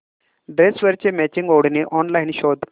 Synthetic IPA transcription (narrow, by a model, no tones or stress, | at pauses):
ɖɾesʋəɾt͡ɕemɛt͡ɕiŋɡoɽneʔɔnlajnɕod̪